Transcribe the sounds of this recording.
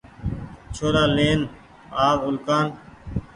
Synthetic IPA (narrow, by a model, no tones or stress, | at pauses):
t͡ʃʰoːɾaːleːn | aːʋʊlkaːn